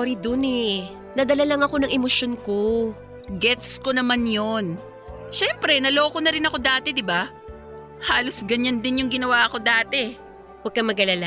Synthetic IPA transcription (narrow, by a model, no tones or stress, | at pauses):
oɾid̪onɛ | nɐd̪ɐlɐlɐŋɐko̞nɐŋʔɛmosjonko | ɡɛt̪sko̞nɐmanjon | ʃɛmpɾɛnɐlo̞ːkonɐɾɪnɐko̞d̪aːt̪ɛd̪ɪba | haːlo̞sɡɐɲand̪ɪnjʊŋɡɪnɐwaːko̞d̪aːt̪ɛ | wɐɡ̚kːɐmɐɡɐlala